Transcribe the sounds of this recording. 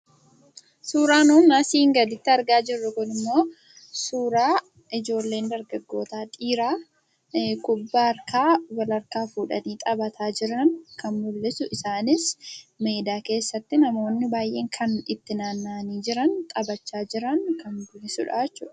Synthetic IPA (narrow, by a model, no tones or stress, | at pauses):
suːɾaːnuːnːaːsiːŋɡɐd̪ɪt̪ːɪɐɾɡaːd͡ʒɪrːʊkʊnɪmːo̞ː | suːɾaː | ʔɪd͡ʒo̞ːlːe̞ːnd̪ɐɾɡɐɡːo̞ːt̪aːt̪ʼiːɾaː | kʊbːaɐɾkaːwɐlɐɾkaːfuːᶑɐ̰niːt̪ʼɐbɐt̪ʰaːd͡ʒɪɾɐnkɐnmʊlːɪsʊʔɪsaːnɪsme̞ːd̪aːke̞ːsːɐt̪ːɪnɐmo̞ːnːɪbaːjʔe̞ːŋkʰɐnɪt̪ːɪnaːnːaːniːd͡ʒɪɾɐnt̪ʼɐbɐt͡ʃːaːd͡ʒɪɾɐŋkɐŋɡʊnɪsʊ̰ᶑa̰ɛt͡ʃːʊ̰ːᶑɐ̥